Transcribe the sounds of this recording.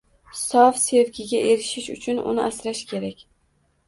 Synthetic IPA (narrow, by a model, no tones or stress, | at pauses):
sɒfse̞vkʲʰɪɡʲaʔe̞ɾɪʃɪʃʊ̰t͡ʃʰʊnʊ̰nɪʔasɾaʃkʲʰe̞ɾakʲ